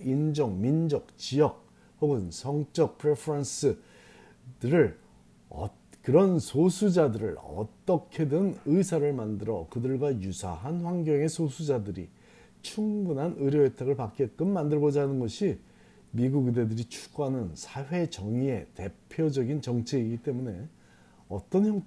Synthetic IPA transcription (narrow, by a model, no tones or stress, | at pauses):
ind͡ʑʌŋmind͡ʑʌk̚t͡ɕijʌk̚ | poɡɯnsʰʌŋt͡ɕ͈ʌk̚pʰɯɾepʰʌɾʌns͈ɯ | dɯɾɯɭ | ʌ | kɯɾʌnsʰosʰud͡ʑadɯɾɯɭʌ̰t͈ʌkʰe̞dɯnɯjsʰaɾɯɭmandɯɾʌkɯdɯɭɡwajusʰa̰ɦanɸwaŋɡjʌŋe̞sʰosʰud͡ʑadɯɾḭ | t͡ɕʰuŋbunɦanɯɾjʌetʰaɣɯɭpak͈iet̚k͈ɯmandɯɭɡʌd͡ʑanɯnɡʌɕʰi | miɡuɡidedɯɾit͡ɕʰu̥ɡ͈anɯnsʰaɸe̞t͡ɕʌŋie̞te̞pʰjod͡ʑʌɡint͡ɕʌŋt͡ɕʰe̞iɡit͈e̞mune̞ | ʌt͈ʌnçjʌŋ